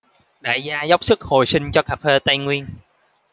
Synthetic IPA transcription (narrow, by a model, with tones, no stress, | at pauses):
ɗa̰ː˧˨˩jzaː˧za˦˥wk͡p̚sɨ˦˥k̚ho˨˩jsï˧ŋ̟t͡ɕɔ˧kaː˧˥feː˧t̪a˧jŋwi˧ən